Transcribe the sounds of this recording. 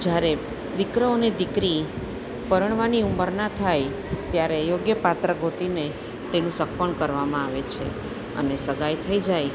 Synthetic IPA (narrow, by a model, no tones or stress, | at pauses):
d͡ʒjaɾe | ɾikɾəonid̪ikɾi | pəɾəɳ̃ʋaniumbəɾnat̪ʰaj | t̪jaɾejoɡjəpat̪ɾəɡʱot̪ine | t̪enũsək̚pəɳkəɾʋamãaʋet͡ʃʰḛ | ə̰nesəɡajt̪ʰəid͡ʒaj